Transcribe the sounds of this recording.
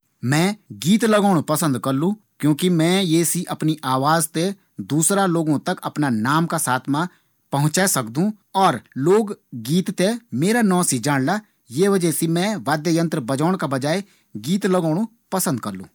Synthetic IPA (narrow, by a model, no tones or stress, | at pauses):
mɛ̃ːɡiːt̪ləɡoːɽ̃opɐsə̃nd̪kɐɾlũ | kjõːkimɛ̃jeːsiʔɐpniʔaːʋaːzt̪e | d̪uːsɾaloːɡõt̪ɐkɐ̰pnanaːmkasaːt̪ʰmã | pɐɦʊ̃t͡ʃaːsɐkd̪ũ | ɔːɾloːɡːiːt̪t̪emeːɾanɔ̃ːsid͡ʒaːɽla | jeːʋəd͡ʒɛsimɛ̃ʋaːd̪jəjə̃nt̪ɾəbɐd͡ʒaːɽ̃kabɐd͡ʒaːe | ɡiːt̪ləɡaːɽo | pɐsə̃nd̪̚kɐɾlṵ̃ː